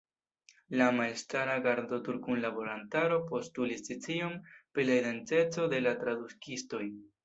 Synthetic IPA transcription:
lamalstaɾaɡaɾdo̞tuɾkunlabo̞lantaɾo̞po̞stulisit͡siompɾilaid̪e̞nt͡se̞t͡sode̞latɾadukisto̞j

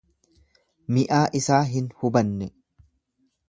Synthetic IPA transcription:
mɪʔaːʔɪsaːɦɪnhʊbɐnːɛ

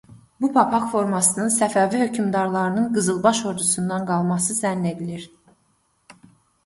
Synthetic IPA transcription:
bupʰɑpʰɑkfo̞ɾmɑsɯnɯnsæfævihø̞cʰymd̪ɑɾlˠɑɾɯnɯnɡɯzɯlˠbɑʃo̞ɾd̪usund̪ɑnɡɑlˠmɑsɯzænːe̞d̪iliɾ

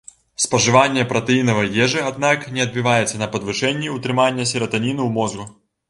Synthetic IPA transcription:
spɐʐɨvanʲːjɐpɾɐt̪ɨinɐvɐjɛʐɨad̪naknʲɛɐd̪̚bʲivajɛt̪sːɐnɐpɐd̪vɨʂɛnʲːiut̪ɾɨmanʲːjɐsʲɪɾɐt̪ɐnʲinɨumɔzɡʊ

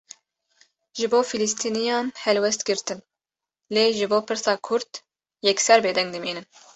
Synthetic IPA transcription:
ʒɨboːfilist̪ʰiːnijɑːnhɛlwɛst̪ɡɨɾt̪ɨn | leːʒɨboːpʰɨɾsɑːkʰʊɾd̪ | jɛksɛɾbeːd̪ɛŋɡd̪ɨmiːnɨn

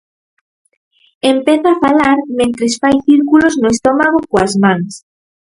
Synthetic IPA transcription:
empeθaafalaɾmẽnt̪ɾesfajθiɾkuloznoest̪ɔmaɣ̞okoazmãŋs

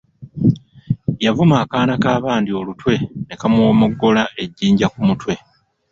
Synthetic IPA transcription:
javumaːkaːnakaːβaːndio̞lutwe̞ne̞kamwo̞ːmoɡːo̞laʔe̞ɟːiːɲɟakumutwe̞

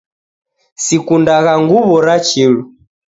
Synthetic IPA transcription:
sikundaɣaŋɡuβɔɾat͡ʃilu

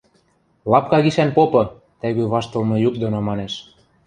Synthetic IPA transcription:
lɑp̚kɑɣiʃænpopɤ̆ | t̪æɣøβɑʃt̪ɤ̆lmɤ̆jukd̪onomɑneʃ

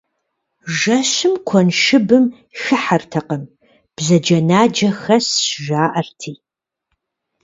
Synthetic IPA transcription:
ʒɐɕɨmkʷʰɔnʃɨbɨm | xɨħartʰɐqəm | b̥zɐd͡ʒɐnaːd͡ʒɐxɐsʃʒaːʔɐrtʰiː

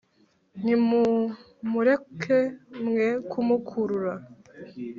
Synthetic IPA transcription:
nimu | muɾe̞kʰemŋekʰumukʰuɾuɾa

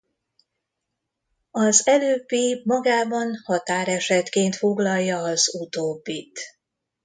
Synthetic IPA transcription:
ɒzɛløːbːimɒɡaːbɒnhɒt̪aːɾɛʃɛt̪keːnt̪fo̞ɡlɒlːɒːzut̪oːbːit̪

